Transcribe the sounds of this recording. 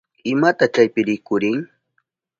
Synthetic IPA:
ɪmat̪at͡ʃajpɪɾɪkʊɾɪŋ

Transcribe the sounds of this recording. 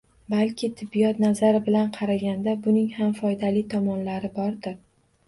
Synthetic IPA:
balkʲʰɪt̪ʰɪbːijɒt̪nazaɾɪbɪlanqʰɑɾaɡʲand̪abʊnɪŋhamfɒjd̪alijt̪ʰɒmɒnlaɾɪbɒɾd̪ɪɾ

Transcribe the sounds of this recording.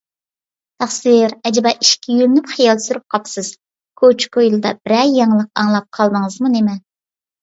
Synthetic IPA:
t̪ʰɑχsɨɾɛd͡ʒɪbɑʔiʃkʲijylynypχijɑlˠsyɾyp̚qʰɑpsɨz̥ | kʰot͡ʃkojlˠɨd̪ɑb̥ɪɾɛjɑŋlˠəqɑŋlˠɑp̚qʰɑlˠd̪ɨŋəzmunemɪ

